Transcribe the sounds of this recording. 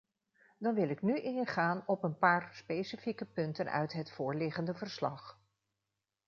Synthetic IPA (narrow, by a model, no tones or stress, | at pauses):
dɑnʋɪlˠɪknyʔɪnχaːnɔpənpaːɹspejsifikəpɵntənœ̰ɥtɦətfʊːɹlɪχəndəvəɹslɑ̰χ